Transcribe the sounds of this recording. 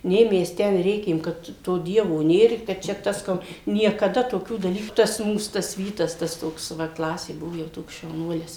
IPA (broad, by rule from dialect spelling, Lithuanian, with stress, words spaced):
ˈnʲeː ˈmʲɛs ˈtʲɛn ˈrʲeːkʲeːm kɐt ˈtoː ˈdʲiɛʋoː ˈnʲeːr ɪ kɐt ˈt͡ʃʲɛ ˈtɐs ˈkoː nʲiɛkɐˈdɐ toːˈkʲuː dɐˈlʲiːkʊ tɐs ˈmuːs ˈtɐs ˈʋʲiːtɐs tɐs ˈtoːks ʋɐ ˈklˠɑːsʲeː ˈbʊʋoː jɛʊ ˈtoːks ʃɐʊˈnuɔlʲɪs